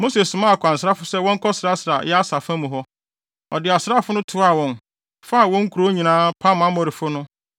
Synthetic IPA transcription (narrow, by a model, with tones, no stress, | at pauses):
mo˦se˨ssʊ˨mã˦˨kʰʷã˨n̩˨s̬ɾa˦fʊ˦sɛ˦wɔ̃˦ŋ̩˦kʰɔ˦sɾa˦sɪ˨ɾa˨jɛ˦a˦sa˨fã˦mũ˨ɦɔ˦ | ɔ̰˨dɪ˨a˨sɾa˦fʊ˦nʊ̃˦tʰʊ˨˦a˨wɔ̃˨n | fa˦˨wɔ̃˦ŋ̩˦kʰu˨ɾo˦ɲĩ˨nãː˦pʰa˦m˨ã˦mɔ̃˨ɾɪ˨fʊ˦nʊ̃˦